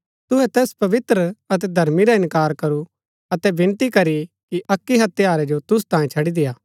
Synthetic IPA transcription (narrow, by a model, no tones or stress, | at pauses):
t̪ʊɦɛt̪ɛːspɐʋɪt̪ɾəɐt̪̬ɛd̪ʱɐɾmiɾaɪ̃nkaːɾkɐɾu | ɐt̪ɛbɪ̃nt̪ikɐɾi | kiʔɐkːiɦɐt̪jaːɾɛd͡ʒot̪ʊs̬t̪ãːjẽt͡ʃʰɐɽid̪ɪjaː